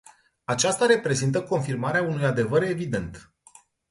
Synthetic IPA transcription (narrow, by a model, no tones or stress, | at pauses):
at͡ʃast̪aɾe̞pɾe̞zint̪̬əko̞nfirmaɾeaunujad̪e̞vəɾe̞vid̪e̞nt̪